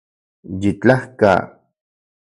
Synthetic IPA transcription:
jit͡ɬahka̰

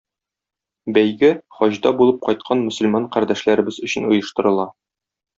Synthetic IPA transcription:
bæjɡɘχɒʑd̪ɑbulˠɤp̚qɒjt̪̚qʰɑnmɵ̆sɵ̆lmɑɴqæɾd̪æʃlæɾɘ̆bɘzɵ̆ɕɘ̆nŭjɤ̆ʃt̪ɤ̆ɾɤ̆lˠɑ

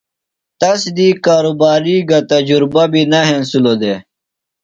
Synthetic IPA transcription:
t̪ɐsd̪iːkaːɾubaːɾiɡɐt̪ɐd͡ʑuɾbabinɐɦẽnsulod̪eː

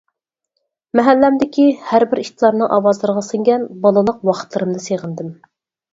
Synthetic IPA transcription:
mɛɦælːæmd̪ɪkʲihæɾbɪɾiʃt̪ʰlˠɑɾnɨŋʔɑwɑzlˠɨɾʁɑsɨŋɡʲɛnbɑlˠɨlˠəq̚wɑqʰə̥t̪lˠɨɾɨmnɨseʁənd̪ɪm

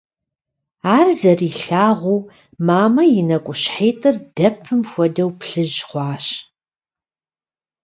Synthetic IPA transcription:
aːrzɐriːɬaːʁʷuː | maːmɐjɪnɐkʷʼʊɕħeːtʼɨrd̥ɐpʰːɨmxʷɔdɐwpɬɨʑχʷɑːɕ

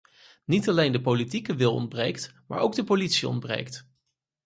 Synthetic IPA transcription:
nitɑlejndəpolitikəʋɪlˠɔ̰nd̚brejktma̰ːɹʔowɡ̚dəpolitsiɔ̰ndbrḛjkt

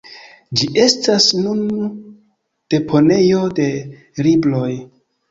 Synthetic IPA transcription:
d͡ʒiʔe̞stasnun | d̥e̞pʰo̞ne̞jo̞de̞ | ɾiblo̞j

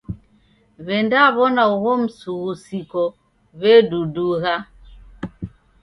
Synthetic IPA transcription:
βɛndaβɔnauɣɔm̩suɣusikɔ | βɛduduɣa

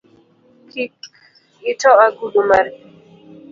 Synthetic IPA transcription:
kʰik | itɔaɡuɗumaɾ

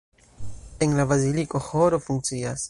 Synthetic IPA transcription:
e̞nlabaziliko̞hoɾofuŋkt͡sias

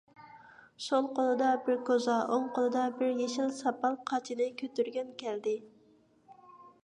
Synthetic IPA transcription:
ʃolˠqʰolˠɨd̪ɑbɪɾkʰozɑʔoŋqʰolˠɨd̪ɑbɪɾjeʃilsɑpɑlˠqʰɑt͡ʃʰinɪkʲʰøt̪yɾɡʲɛnkʲʰɛld̪ɪ

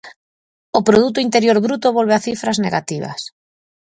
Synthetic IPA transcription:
opɾoð̞ut̪oint̪eɾjoɾβɾut̪oβolβeaθifɾazneɣa̰t̪iβ̞a̰s

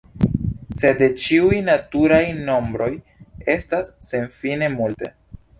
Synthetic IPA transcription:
se̞de̞t͡ʃiujnatuɾajno̞mbɾo̞j | e̞stasːe̞nfine̞multe̞̰

